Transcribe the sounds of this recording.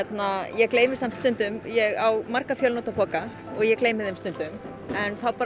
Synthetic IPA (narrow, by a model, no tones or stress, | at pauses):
ɛt̪najɛɣkleːjmɪsamt̪st̪ʏnt̪ʏmjɛɣawmaɾkafjœlnɔwt̪apʰɔːka | ɔɣjɛkleːjmɪðɛmst̪ʏnt̪ʏm | ɛnθawpaːɾ